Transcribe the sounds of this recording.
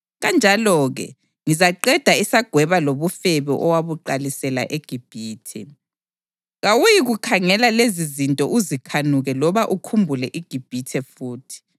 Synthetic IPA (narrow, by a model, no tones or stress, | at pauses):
ɣand͡ʒʱalɔːɣɛ̰ | ŋizaǃɛd̥ʱaisaɡ̥ʱwɛβaloβufɛβɛ̰ʔɔwaβuǃalisɛla̰ʔeɡ̥ʱib̥ʱiːtʰɛ̰ | ɣawujiɣukʰaŋɛlalezizintʼɔʔuzikʰanuɣɛlɔβaʔukʰumbʱulɛʔiɡ̥ʱib̥ʱitʰɛfuːtʰi̥